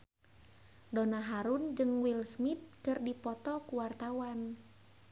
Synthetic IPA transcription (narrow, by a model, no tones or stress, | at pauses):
donaɦaɾund͡ʒɨŋwilsmit̪̚kɨrdipɔt̪ɔkuwart̪awan